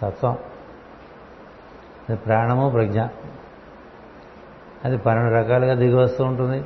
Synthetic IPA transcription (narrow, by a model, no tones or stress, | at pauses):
t̪ɐt̪ːʋɐm | ɐd̪ipɾaːɐɳɐmoːpɾɐɡɲa | ɐd̪ipɐnɐɳuɾɐkaːluɡaːd̪iɡɐʋɐst̪uːuɳʈund̪i